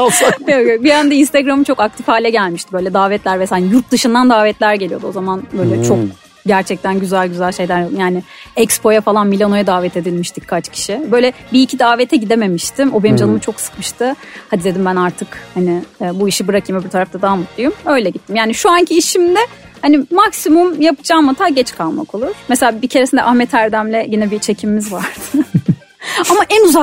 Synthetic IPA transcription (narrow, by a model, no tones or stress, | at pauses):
asaokokbijænd̪ɛinst̪eɡɾamɯt͡ʃʰo̞kak̚t̪ʰifhaːlʲɛɟælʲmiʃt̪ʰibø̞jlʲɛd̪aːvɛt̪lʲæɾmɛsaljuɾt̪̚d̪ɯʃɯnd̪and̪aːvɛt̪lʲæɾɟe̞lʲijo̞d̪uo̞zamanbø̞jlʲɛt͡ʃʰo̞k̚ | ɟæɾt͡ʃʰɛc̚t̪ʰænɟyzælʲɟyzælʲʃe̞jd̪æɾjojaːnɪ | ɛcspʰo̞jafalˠanmilʲano̞jad̪aːvɛt̪ʰe̞d̪ilʲmiʃt̪ʰickʰat͡ʃcʰi̥ʃibø̞jlʲɛbiːcʰid̪aːvet̪ʰɛɟid̪e̞me̞miʃt̪ʰimo̞bemd͡ʒalˠɯmɯt͡ʃʰo̞ksɯ̥kmɯʃt̪ʰɯhad̪id̪e̞d̪imbænaɾt̪ʰɯkhanɪːbuiʃibɯɾakʰɯjmɛbut̪ʰaɾaft̪ad̪aːamut̪̚lˠujumø̞jlʲɛɟit̪ʰːimjaːniʃuancʰiːʃimd̪ɛ | hanimaksimumjapɯd͡ʒaːmat̪ʰaːɟɛt͡ʃkʰalˠma̰ko̞lˠuɾ̥meselʲaːbicʰeɾesind̪ɛ̰ʔahmɛt̪ʰæɾd̪æmlʲɛɟinɛbit͡ʃʰe̞cʰimimizvaɾd̪ɯ | amaʔɛnuza